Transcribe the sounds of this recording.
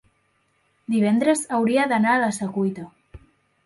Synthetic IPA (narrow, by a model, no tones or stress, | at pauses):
d̪iβ̞ɛnd̪ɾezawɾiaðanalasakujt̪a